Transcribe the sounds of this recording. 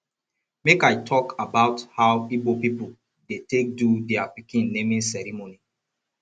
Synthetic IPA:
mekajtʰɔkʰabaʊthaʊibopipu | detek̚dudɛapikĩnːemĩnsɛɹimoni

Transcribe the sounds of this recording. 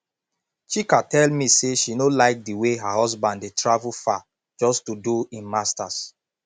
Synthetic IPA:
t͡ʃikatɛlmiseʃinolaɪk̚diweɦahɔzbãnddetɹavulfa | d͡ʒɔstuduĩnmastas

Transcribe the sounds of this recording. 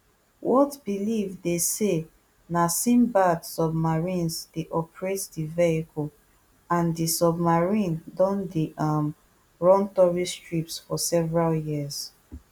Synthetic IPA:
wʔɔtbilivdese | nasĩmbadsɔbmaɹĩnsdeʔɔpɹetdiveikɔl | ãndisɔbmaɹĩndɔ̃ndiʔam | ɹɔ̃ntɔɹistɹipsfɔsɛvɹaljiəz̥

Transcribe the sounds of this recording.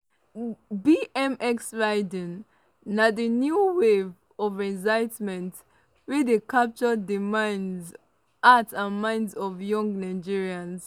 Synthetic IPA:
biʔɛ̃mʔɛksɹaɪdĩnː | adinjuwev | ɔvɛzaɪtmɛ̃nt | wedekap̚t͡ʃɔdimãɪ̃nz | atsãnmãɪ̃ndzɔvjɔ̃ŋɡnaɪd͡ʒiɹiãns

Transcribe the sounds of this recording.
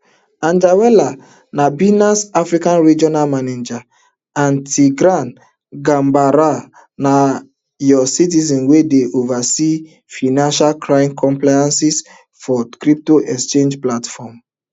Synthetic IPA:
ãnd͡ʒawɛla | nabinasafɾikãnɹid͡ʒɔnalmaned͡ʒa | ãntʰiɡɾãn | ɡãmbaɾa | na | jɔsit̬izɔ̃nwedeʔovasi | finãnʃalkɾãjmkʰɔ̃mplajãnsis | fɔkɾip̚toʔɛkst͡ʃẽnd͡ʒplatfɔm

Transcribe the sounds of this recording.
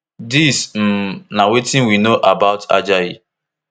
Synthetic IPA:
dism̩nawetĩnwinoʔabaʊta̰d͡ʒaji

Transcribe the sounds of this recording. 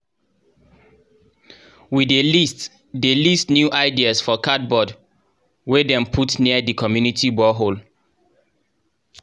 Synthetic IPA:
widelist | delistnjuʔaɪdiasfɔkʰat̚bɔd | wedɛ̃mpʰutniədikʰɔmjunitʰibɔɦol

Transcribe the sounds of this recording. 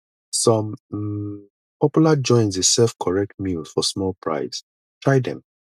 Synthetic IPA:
sɔ̃m | pʰɔpjulad͡ʒɔ̃ɪ̃nzesɛlfkʰɔɹɛk̚t̚mjulz̥fɔsmɔlpʰɹa̰ɪs | tʰɹaɪdɛ̰̃m

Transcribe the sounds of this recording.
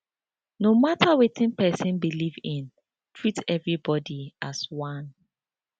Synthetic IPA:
nomatawitʰĩnpɛsɛ̃nbilivĩn | tʰɹitɛvɹibɔdiaswãn

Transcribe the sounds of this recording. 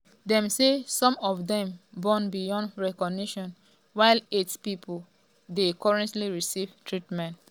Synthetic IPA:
dɛ̃msesɔ̃mɔfdɛ̃mbɔ̃nbijɔ̃ndɹɛkɔɡ̚niʃɔ̃n | waɪlitpipʰɔl | dekɔɹɛ̃ntliɹisivtʰɹitmɛ̃nt

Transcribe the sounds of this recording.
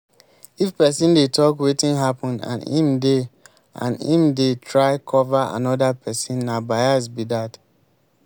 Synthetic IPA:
ifpɛsĩndetʰɔkwetĩnɦapɔ̃ndã̰nḭ̃mde | ã̰nĩmdetʰɹaɪkʰɔvaa̰nɔdapʰɛsĩnːabaɪasbidat

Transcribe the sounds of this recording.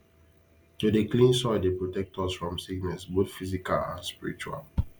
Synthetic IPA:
tudeklĩnsɔɪdepɹotɛk̚tʰɔsfɹɔ̃msiɡnɛsbotfizika̰lã̰nspiɹḭt͡ʃua̰l

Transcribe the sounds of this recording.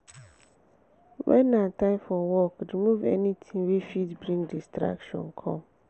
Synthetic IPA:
wɛ̰̃nːãtʰãɪ̃mfɔwɔkɾimuvɛ̰nitʰĩŋwefitbɾĩŋdistɾa̰kʃɔ̰̃nkʰɔ̰̃m

